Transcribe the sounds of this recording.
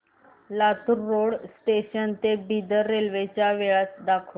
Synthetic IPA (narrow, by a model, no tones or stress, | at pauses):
lat̪uɾːoɽsʈeɕənt̪ebid̪ʱəɾːelʋet͡ɕjaʋeɭat͡sd̪akʰo